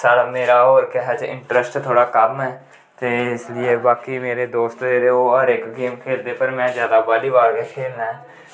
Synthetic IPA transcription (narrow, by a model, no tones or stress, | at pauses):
saːɾameːɾaoːɾkɛɦɛd͡ʒɪ̰̃ɳʈɾəsʈt̪ʰoːɽaːkəmɦɛː | t̪eːɪslɪeːbaːkimeːɾed̪oːst̪eːɾeoːəɾɪkɡiːmkʰeːɾd̪eːpəɾmɛ̃ːzjaːd̪aːbaːliːbaːɾkekʰeːlnaːɦɛː